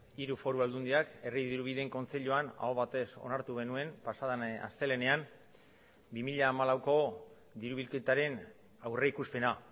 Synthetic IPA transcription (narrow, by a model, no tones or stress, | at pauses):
iɾufo̞ɾuald̪und̪iake̞riðiɾuβ̞iðe̞ŋko̞nt͡se̞ʎuana̰oβat̪e̞so̞̰naɾt̪uɣe̞nue̞mpasaðana̰st̪e̞le̞ne̞am | bimiʎaːmalawko̞ | ðiɾuβ̞ilke̞t̪aɾe̞n | awre̞ikuspe̞na